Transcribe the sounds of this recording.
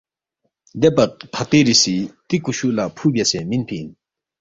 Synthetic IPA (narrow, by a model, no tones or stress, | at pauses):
d̪epapʰat̪eːɹisiːt̪ikuɕulapʰuːbesɛːminpʰei